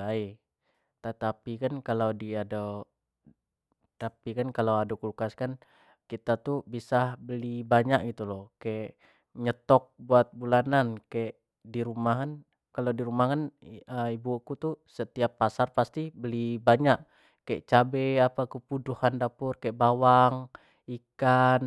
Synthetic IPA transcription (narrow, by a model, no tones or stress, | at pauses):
ai | t̪ət̪apikankalawdiada | t̪apikankalawaduklukaskan | kit̪at̪ubisahbəlibaɲaʔ̚ɡit̪ulɔhkaɛʔ | ɲət̪ɔk̚buat̪̚bulanankaɛʔ | diɾumaɦan | kaladiɾumakanəibukut̪usət̪iapːasarpast̪ibəlibaɲaʔ | kːaɛʔt͡ʃabeapakəpuduhandapʊrkaeʔbawaŋ | ikan